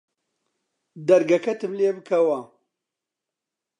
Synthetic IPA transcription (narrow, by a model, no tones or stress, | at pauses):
d̪ɐɾɡɐkɐt̪ɨmleːbɨkʰɐwɐ